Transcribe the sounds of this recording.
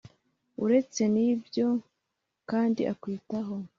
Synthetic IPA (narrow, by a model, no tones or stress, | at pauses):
uɾe̞t͡se̞nibjo̞ | kaːndiʔakwiːtaɦo̞